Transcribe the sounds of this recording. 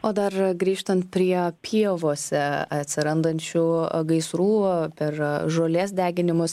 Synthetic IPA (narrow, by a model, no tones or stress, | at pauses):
oːd̪ɐrɡɾʲiːʃt̪ɐnt̪̚pʲɾʲiɛpʲʰiɛʋoːsʲɛɐt̪ʲsʲɪɾɐnd̪ɐnʲt͡ʃʲʊɡɐɪsɾuːpʲɛɾʒoːlʲeːs̬d̪ʲæːɡʲɪnʲɪmʊs